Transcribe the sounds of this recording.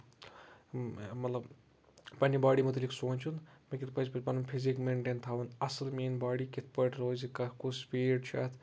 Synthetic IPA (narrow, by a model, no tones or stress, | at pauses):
mɐt̪lɐb | pɐnʲːibaːɽimut̪liksoːnʲt͡ʃʰunmɐkʲit̪̚pɐzpɐt͡ʃpɐnɐmpʰizikmeɳʈeːnt̪ʰaːʋunɐsɐlmeːnbaːɽikit̪̚ʰpəʈɾoːzikɐkuspiːɖt͡ʃʰa̰ːt̪ʰ